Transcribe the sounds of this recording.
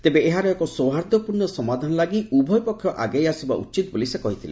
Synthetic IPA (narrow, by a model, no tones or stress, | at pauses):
t̪ebeeɦaɾɔɛkɔsowɦaɾd̪ʱɔpuɾnɔsɔmad̪ʱanɔlaɡiubʱɔjpɔkʰːjɔʔaɡejasiba̰ʔṵt͡ʃit̪ɔbolisekɔɦit̪ʰilḛ